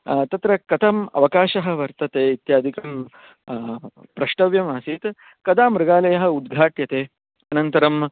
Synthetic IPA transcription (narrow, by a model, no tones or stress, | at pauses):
t̪ɐt̪ɾɐkɐt̪ɐmɐ̰ʋɐkaːʃɐɦɐ̆ʋɐɾt̪ɐt̪eːit̪jaːd̪ʱikɐm | pɾɐʃʈɐʋjɐmaːsit̪ | kɐd̪aːmɾɐɡaːlɐjɐɦɐ̆ud̪ɡʱaːʈjɐt̪eː | ɐnɐnt̪ɐɾɐm